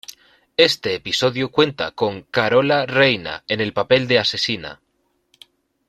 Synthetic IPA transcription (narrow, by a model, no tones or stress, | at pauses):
e̞st̪e̞ːpiso̞ðjukwe̞nt̪a̰ko̞ŋkaɾo̞lare̞jna̰e̞ne̞lpape̞ld̪ease̞sina̰